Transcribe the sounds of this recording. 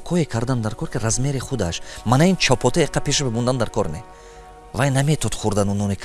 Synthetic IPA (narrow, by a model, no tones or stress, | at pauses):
kʰɔekʰaɾd̪and̪aɾkʰɔɾkiɾazmeɾiχud̪aʃmanaint͡ʃʰɔpʰɔt̪ʰaeqʰapʰeʃɔbemund̪and̪aɾkʰɔɾne | vajnamet̪ʰɔt̪χuɾd̪anunɔnekʰ